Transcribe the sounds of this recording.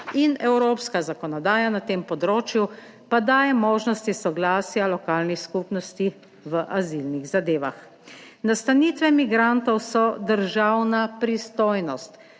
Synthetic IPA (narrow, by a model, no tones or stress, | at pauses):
inɛwɾoːpskazakɔnɔd̪aːjanat̪eːmpɔd̪ɾoːt͡ʃju | pad̪aːjɛmoːʒnɔst̪isɔɡlaːsjalɔkaːlnixskupnɔst̪i | ʋəʔazilniɣzad̪eːʋa̰x | nast̪aniːt̪ʋɛmiɡɾant̪ɔwsɔd̪əɾʒawnapɾist̪oːjnɔst̪